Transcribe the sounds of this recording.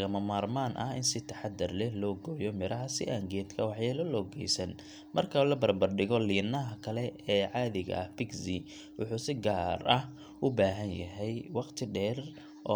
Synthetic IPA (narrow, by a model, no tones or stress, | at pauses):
ɣɐmɐmaːrmaːnʔɐ̰hɪnsɪt̪ʰɐħɑd̪ɐrlɛhlɔːɡɔːjɔmɪɾʔɐɦɐsɪ̰ʔaːŋɡɛːd̪kʰɐwɑħjɛːlɔlɔːɡɛjsɐn | mɐrkʰɐlɐbɐrbɐrɖɪɣɔliːnɐɦɐkʰɐlɛɛːʕɑːðɪɣɐ̰ɐhpɪɡsɪ | wʊ̰ħuːsɪɡaːrɐh | ʊbaːɦɐnjɐɦɛjwɑqt̪ʰɪɖɛːr | ʔɔ